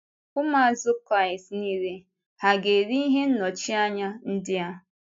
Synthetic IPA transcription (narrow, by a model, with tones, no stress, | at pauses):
kʊ˦ma˦a˨zʊ˦kɾa˦˨ɪ˨stni˦ɾe˦ | ha˨ɡe˨ɾi˦i˦ɦe˦n̩˦nɔ˨t͡ʃi˦a˦ɲa˦n̩˦dɪ˦a˦